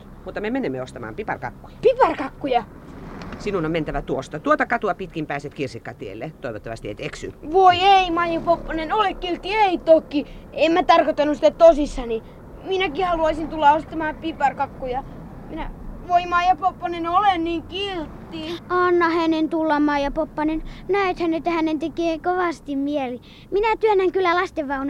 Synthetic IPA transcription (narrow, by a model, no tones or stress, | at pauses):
mut̪ːɑmemenemːeost̪ɑmɑ̰ːmpipɑ̰rkɑ̰kːujɑ̥pipɑrkɑkːujɑ | sinunoment̪æʋæt̪uost̪ɑt̪uot̪ɑkɑt̪uɑpit̪kimpæːset̪kirsikːɑt̪iḛlːet̪oˑiʋot̪ːɑʋɑ̰st̪iḛit̪eksy̰nʋoieimɑjɑpopːonenolekkylt̪ːieit̪okːi | emmæt̪ɑrkot̪ːɑnːusĭ̥t̪æt̪osisːɑni | minækihɑluɑisint̪ulːɑost̪ːɑmɑːpipɑrkɑkːujɑ | minæʋoimɑjɑpopːɑnenolenniːŋkilt̪ːiɑnːɑhænent̪ulːɑmɑjɑpopːɑnennæet̪hænːet̪ːæhænent̪ekeːkoʋɑst̪immiæli | minæt̪yønːæŋkylːˑælɑst̪eʋʋɑunɑ